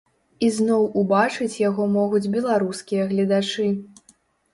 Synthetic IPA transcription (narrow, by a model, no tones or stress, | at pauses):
iznɔwubat͡ʂɨt͡sʲjaɣɔmɔɣud͡zʲbʲɛlˠaɾuskʲijɐɣlʲɐd̪at͡ʂɨ